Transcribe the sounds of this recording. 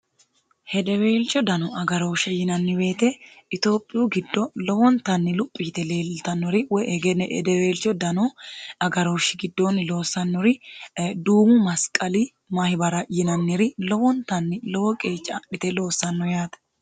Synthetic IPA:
hɛd̪ɛweːlt͡ʃːɔd̪ɐnɔɐɡɐɾo̞ːʃɛjɪnɐnːɪwe̞ːt̪ɛɪt̪o̞ːpʼːɪjuɡɪd̪ːɔlɔwɔnt̪ɐnːɪlʊpʼːiːt̪ɛle̞ːlt̪ɐnːɔɾɪwɔɛɡɛnɛʔɛ̰d̪ɛweːlt͡ʃːɔd̪ɐnɔɐɡɐɾoːʃːɪɡɪd̪ːoːnɪlo̞ːsɐnːɔɾɪd̪uːmʊmɐskʼɐli | mɐhɪbɐɾɐjɪnɐnːɪɾɪlɔwɔnt̪ɐnːɪlɔwɔkʼe̞ːt͡ʃʼːɐɪt̪ɛlo̞ːsːɐnːɔjaːt̪ɐ̥

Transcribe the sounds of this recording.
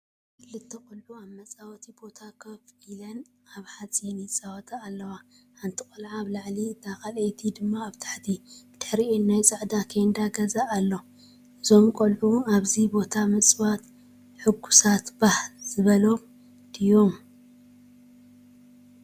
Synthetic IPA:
kʰɨlːɨt̪ʰːɐkʼʊlʕuamɐt͡sʼawɐt̪ʰibo̞t̪ʰakʰɐfilɐn | aβħat͡sʼinit͡sʼawɐt̪ʰaːlːɐwa | ħant̪ʰikʼɐlʕaβlaʕlit̪ʰakɐlejt̪ʰid̪ɨmːaːβt̪ʰḁħt̪ʰid̪̥ɨ̥ħɾiennajt͡sʼaʕd̪akʰend̪aɡɐzaʔːlːo̞ | ɨzo̞mkʼolʕuaβzibo̞t̪ʰamɨt͡sʼβat̪ | ħɨɡu̥sat̪bahlz̥ɨβɐlo̞m | d̪ijo̞m

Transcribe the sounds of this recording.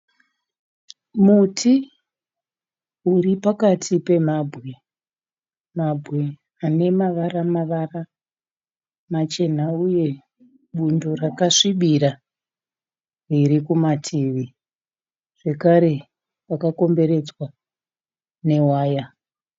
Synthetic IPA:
mutʰi | uɾipakatʰipe̞mabʱwe̞ | mabʱwe̞ | ane̞maʋaramaʋara | mat͡ʃe̞n̤auje̞ | ɓundorakaʂiɓiɾa | riɾikumatʰiʋi | ʐ̥e̞kaɾe̞ | pakako̞mbe̞ɾe̞d͡zwa | ne̞waːja

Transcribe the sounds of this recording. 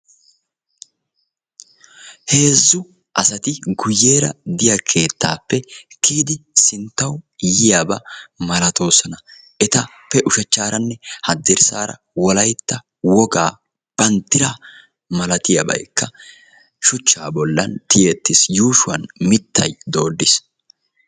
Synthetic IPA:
he̞ːzːʊ | ʔɐsɐt̪ɪɡʊjːeːɾɐd̪ɪjɐkʰe̞ːt̪ːaːpːɛkiːd̪ɪsɪnt̪ːɐwjɪjabɐmɐlɐt̪o̞ːsɔnɐ | ɛt̪ɐpːɛʔʊʃɛt͡ʃːaːɾɐnːɛhɐd̪ːɛɾsaːɾɐ̰ | wɔlɐjt̪ːɐ | wɔɡaː | b̥ɐnt̪ːɪɾa | mɐlɐt̪ɪjɐbɐ̰jkːɐ | ʃʊt͡ʃːaːbɔlːɐ̰nt̪ɪjeːt̪ːɪsjuːʃʊɐnmɪt̪ːɐ̰jd̪o̞ːd̪ːɪs

